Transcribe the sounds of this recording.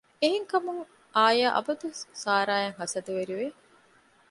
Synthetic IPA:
eɦeŋkɐmuŋ | ʔaːjaːʔɐ̰bɐd̪usaːɾaːjeŋɦɐsɐd̪uʋeɾiʋe

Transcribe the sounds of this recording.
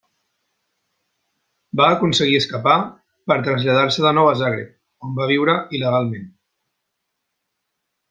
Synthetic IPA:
baːkunsəɣiəskəpa | pəɾt̪ɾəzʎað̞aɾsəðənɔwəzaɣɾḛp̚ | ombaβiwɾəʔiləɣalˠmen

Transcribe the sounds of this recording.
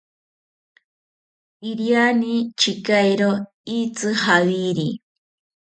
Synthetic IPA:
iɾjanit͡ʃɪkajɾo | it͡sɨhawiɾi

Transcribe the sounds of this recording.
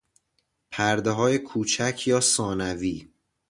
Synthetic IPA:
pʰæɾd̪eɦɒːjekʰuːt͡ʃʰæcʰjɒːsɒːnæviː

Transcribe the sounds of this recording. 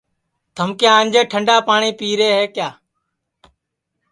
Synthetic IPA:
t̪ʰəmkjãːnd͡ʒeːʈʰəɳɖaːpaːɳiːpiːɾeːɦeːkjaː

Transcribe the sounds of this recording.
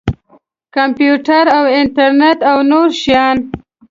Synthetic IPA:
kampjuʈaɾawɪnʈaɾnet̪awnoɾʃijɑn

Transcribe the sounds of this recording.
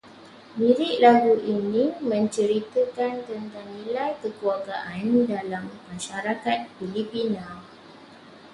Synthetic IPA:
biɾɪʔlaɡuʔinĩmə̃ɲt͡ʃəɾit̪əkant̪ənt̪aŋnĩlajkəkuaɡaʔandalamːãʃaɾakat̪̚filipinãl

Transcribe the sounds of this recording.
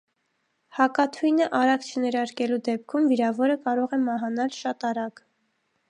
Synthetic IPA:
hɑkɑt̪ʰujnəʔɑɾɑkt͡ʃʰənɛɾɑɾkɛlud̪ɛp̚kʰumviɾɑvɔɾəkɑɾɔʁɛmɑɦɑnɑlʃɑt̪ɑɾɑɡ

